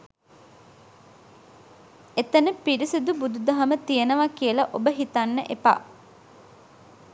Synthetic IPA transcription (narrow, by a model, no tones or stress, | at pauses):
et̪ənəpiɾisid̪ubud̪ud̪ɐɦɐmət̪ijenəʋakijəlɐʔobəɦit̪anːəʔepa̰